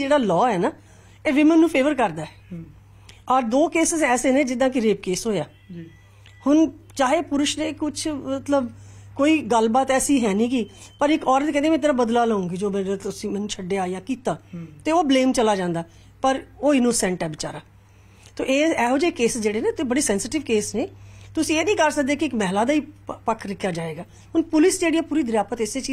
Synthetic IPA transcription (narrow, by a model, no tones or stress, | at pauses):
d͡ʒeːɽaːlɔːɛːnaː | eːʋɪmə̃ːnːũːpʰeːʋəɾkəɾd̪aːɛ | ɔːɾd̪oːkeːsɪzɛːseːnẽːd͡ʒɪd̪ãːk̬ɪɾeːp̚keːsɦoːjaː | hʊnt͡ʃaːɦeːpʊɾʊʃnẽːkʊt͡ʃʰmət̪ləbkoːiːɡəlbaːt̪ɛːsĩːɦɛːnĩːkiːpəɾɪkɔːɾət̪kɛ̃nd̪eːmɛ̃t̪eːɾaːbəd̪laːləːũːɡiːd͡ʒoːmɛ̃ːeʊsĩːmɛːnũːt͡ʃʰəɖeːaːijaːkiːt̪aːt̪eːoːbleːmt͡ʃəlaːd͡ʒãːnd̪aː | pəɾoːɪnoːsɛ̃ːɳʈɛːbɪt͡ʃa̰ːɾaː | t̪o̰ːʔeːɛːɦoːd͡ʒeːkːeːssd͡ʒeːɽeːneːbəɽeːsɛ̃ːnsɪʈɪʋkeːsneːt̪ʊsĩːeːnĩːkəɾsək̚d̪eːkɪɪkmɛɦlaːd̪aːiːpəkʰːɾɪkʰːjaːd͡ʒaːeːɡaː | ɦʊnpʊlɪsd͡ʒeːɽiːɛːpuːɾiːd̪əɾjaːpət̪eːseːt͡ʃi